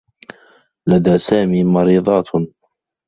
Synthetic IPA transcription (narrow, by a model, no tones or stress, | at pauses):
lad̪aːsaːmiːmɑɾiːðˤɑːt̪